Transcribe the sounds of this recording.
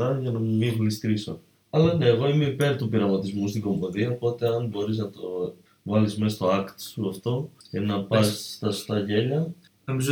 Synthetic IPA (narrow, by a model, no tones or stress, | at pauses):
ɐʝɐnɐmumixlist̪ɾiso̰ | ɐlɐne̞ːɣo̞ime̞ipe̞ɾt̪upiɾɐmɐt̪izmust̪iɡo̞mboðiɐopo̞t̪e̞ɐnbo̞ɾiznɐt̪o̞ | vɐlizme̞st̪o̞ɐkt̪suɐft̪o̞cenɐpɐsːt̪ɐst̪ɐʝe̞ʎɐ | nomiz